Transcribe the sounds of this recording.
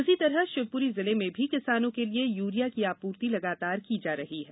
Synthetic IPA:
ʊsit̪ɐɾəʃɪb̚puɾizɪlemẽbʱikɪsaːnõkeliejuːɾijakiaːpuːɾt̪ilɐɡaːt̪aːɾkid͡ʒaːɾɐɦiɦɛː

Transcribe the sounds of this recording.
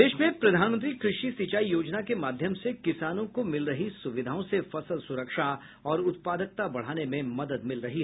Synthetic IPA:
d̪eːʃmẽpɾɐd̪ʱaːnmə̃nt̪̬ɾikɾɪʃisit͡ʃaːijoːd͡ʒnakemaːd̪ʱjəmsekɪsaːnõkomɪlɾɐɦisʊʋɪd̪ʱaːõsefɐsəlsʊɾəkʃa | ɔːɾʊt̪̚paːd̪ək̚t̪abɐɽ̤aːnemẽmɐd̪əd̪mɪlɾɐɦiɦ

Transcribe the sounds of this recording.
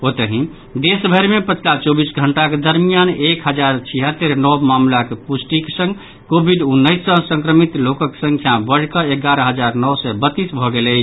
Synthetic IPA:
ot̪əɦĩ | d̪esbʱəɾmepət͡ʃʰlat͡ʃɔbisɡʱəɳʈaked̪əɾmijanekɦəd͡ʒaɾt͡ʃʰiɦət̪ːeɾnɔbmamlakepusʈike̥sə̃ŋɡ | kobʱiɖunːəjsːə̃sə̃ŋkɾəmit̪lokəksə̃ŋkʰjabəɽ̤kəeɡaɾəɦəd͡ʒaɾnɔwsɛbət̪ːisbʱɔɡelə

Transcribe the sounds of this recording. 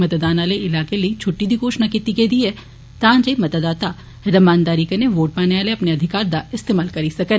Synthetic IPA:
mɐt̪d̪aːnaːleɪlaːkelɐit͡ʃʰʊʈːid̪ʱikoːʃnakit̪iked̪iɛ | t̪ãːd͡ʒɐimɐt̪d̪aːt̪a | ɾɐmaːnd̪aːɾikɐneʋoːʈ̚paːneʋaːleɐpneɐd̪ʱɪkaːɾd̪aɪst̪eːmaːlkɐɾisɐkən

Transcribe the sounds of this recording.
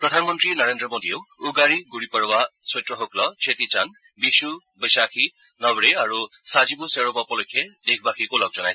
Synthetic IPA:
pɹɔdʱanmɔntɹinaɹendɹɔmodieʊuɡaɹiɡuɹipɔɹɔwasɔjtɹɔɦoklɔt͡ʃʰetitan | bisu | bɔjsaxʰi | nɔbɹeaɹusazibuseɹɔbɔpɔlojkʰːɛdekʰbaxʰikolɔk̚z̥ɔnaj

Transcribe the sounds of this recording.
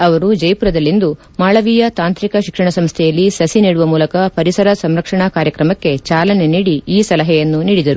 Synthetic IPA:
ɐʋɐɾud͡ʒɐjpuɾɐd̪ɐlːind̪u | maːɭɐʋijɐt̪aːnt̪ɾikɐʃikʂɐɳɐsɐmst̪ʰɛjɐlːisɐsiniːɽuʋɐmuːlɐkɐpɐɾisɐɾɐsɐmɾɐkʂɐɳɐkaːɾjɐkɾɐmɐkːe̞t͡ʃaːlɐne̞niːɽiiːsɐlɐɦɛjɐnːuniːɽid̪ɐɾu

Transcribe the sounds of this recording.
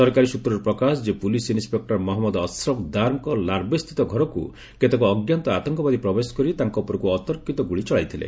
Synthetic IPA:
sɔɾkaɾisut̪ɾɔɾɔpɾɔkasɔd͡ʒepulisinspek̚ʈɔɾmɔɦɔmːɔd̪ɔsɾɔbd̪aɾmɔkɔlaɾbest̪ʰit̪ɔɡʱɔɾɔkṵ | ket̪ekɔːɡjant̪ɔat̪ɔŋkɔbad̪ipɾɔbesɔ̥kɔɾit̪aŋkɔpɔɾɔkuɔt̪ɔɾkit̪ɔɡuɭit͡ʃɔɭajt̪ʰilḛ

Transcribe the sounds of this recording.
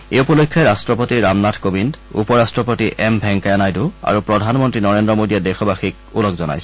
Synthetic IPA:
eupɔlojkʰːɔɛɹastɹɔpotiɹamnatʰkobindṵpɔɹastɹɔpotiʔɛmbʱɛŋkajanajdua̰ɹupɹɔdʱanmɔntɹinɔɹendɹɔmodijɛdexɔbaxik̚ | ulɔkzɔna̰jsɛ

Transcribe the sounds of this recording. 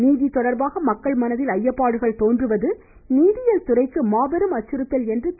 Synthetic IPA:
niːðit̪ɔɽɐɾbaːɣɐmɐkːɐɭmɐnɐðɪlɐjːɐpːaːɽɯɣɐɭt̪oːndrɯʋɐðɯ | niːðɪjɐlt̪ʊrɐɪkːɯmaːʋɐɾɯmɐt͡ʃːɯɾɯt̪ːɐlɛndrɯ

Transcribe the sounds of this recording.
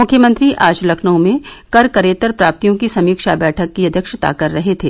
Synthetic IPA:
mʊkʰjəmə̃nt̪ɾiʔaːd͡ʒlɐkʰnõmẽkɐɾkɐɾeːt̪əɾpɾaːp̚t̪ijõkisɐmiːkʃabɛːʈʰəkːiɐd̪ʱjəkʃət̪a̰kɐɾːɐɦet̪ʰḛː

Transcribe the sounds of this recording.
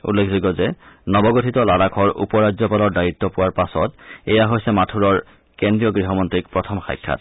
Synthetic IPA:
ṵlːekʰzoɡɔzɛnɔbɔɡotʰitɔlalakʰɔɹṵpɔɹazɔpalɔɹdajitːɔpʊwaɹpasɔtɛjaɦojsɛmatʰuɹɔɹ | kendɹijɔɡɹiɦɔmɔntɹik̚pɹɔtʰɔmxa̰jkʰːa̰t̚

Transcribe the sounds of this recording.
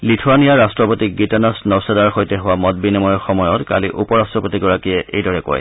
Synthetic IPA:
litʰuanijaɹastɹɔpotiɡitanasnɔwsɛdaɹxojtɛɦʊwamɔt̚binɛmɔjɔxɔmɔjɔtka̰liʔupɔɹastɹɔpotiɡɔɹakiɛʔḛjdɔɹɛkɔ̰j

